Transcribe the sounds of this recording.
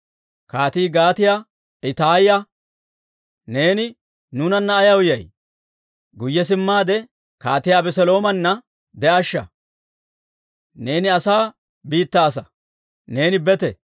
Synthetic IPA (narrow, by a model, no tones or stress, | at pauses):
kaːt̪iːɡaːt̪ɪja | ɪt̪aːɪjɐ | ne̞ːnɪ | nʊnɐnːɐːjɐwʊjɐj | ɡʊjːɛs̬ɪmːaːd̪ɛ | kaːt̪ɪjaːbɛsɛlo̞ːmɐnːɐ | d̪ɛʔɐʃːɐ̰ | ne̞ːnɪɐsaː | biːt̪ːaːs̬ɐ | ne̞ːnɪbɛt̪ɛ̰